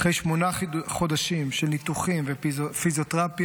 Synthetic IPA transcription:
χʁejʃmonaχo̞d̪aʃimʃelnit̪uχimvefizot̪ʁap

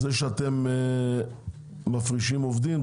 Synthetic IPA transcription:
zeʃeat̪em | afʁiʃimovd̪im

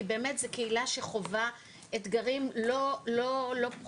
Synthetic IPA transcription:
be̞ːmetzekeilaʃe̞χo̞va | etɡaʁimlololo̞p

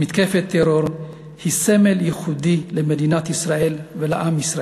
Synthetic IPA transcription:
mit̪kefet̪ʰːeɾoɾ | hisemeljiχud̪ilemed̪inat̪isɾaʔelvelaʔamisɾa

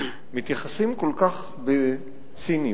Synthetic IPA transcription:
mit̪jaχasimkolkaχ | be | t͡sini

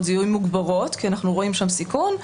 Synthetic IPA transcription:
tzijumːuɡbaʁo̞tkianaχnuʁo̞imʃamsikon

